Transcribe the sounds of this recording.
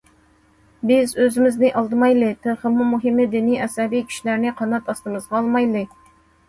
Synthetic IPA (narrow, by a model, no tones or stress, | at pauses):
bɪzøzɪmɪznɪʔɑlˠd̪ɨmɑjlˠɨt̪ʰɨɾχəmumuɦɪmːɨd̪ɪnijɛsɛbijkʲʰi̥ʃilæɾnɪqʰɑnɑt̪ɑst̪ɨmɨzʁɑːlˠmɑjlˠɨ